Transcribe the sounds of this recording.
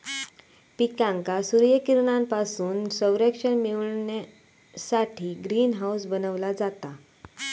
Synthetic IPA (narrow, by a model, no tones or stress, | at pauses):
pikãŋkasuɾjəkiɾɳãmpasuːnsəʋɾekʂənmiʋɳna | saʈʰiːɡɾiːnɦawsbənəʋlad͡zat̪a